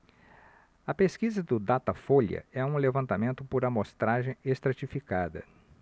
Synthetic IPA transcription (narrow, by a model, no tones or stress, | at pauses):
ɐpeskizɐd̪ʊd̪at̪ɐfolɐ̰ɛũlevɐ̃nt̪amẽnt̪ʊpoɾɐmost̪ɾaʒẽj̃est̪ɾat͡ʃifikad̪ɐ̰